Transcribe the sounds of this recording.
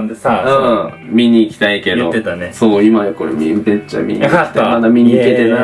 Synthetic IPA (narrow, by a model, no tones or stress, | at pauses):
ɯ̃ːmʲiɲ̟iːkʲi̥t̪aike̞d̪ot̪ansoːimajoko̞ɾemʲibet͡ɕːa̰mʲḭɲḭit̪mad̪amʲiɲiiket̪ena